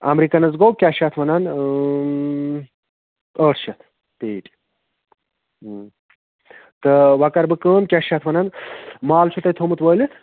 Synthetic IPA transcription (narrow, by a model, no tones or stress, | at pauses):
ɐ̰mɾikɐnɐzɡowkʲaʃɐt̪ʰʋɐnɐn | əːʈʰʃɐt̪ʰ | t̪eːʈ | t̪ɨʋɐkɐɾbɨkəːmkʲaʃɐt̪ʰʋɐnɐnmaːlt͡ʃʰut̪ɐjt̪ʰomɨt̪ʋɐjlɨ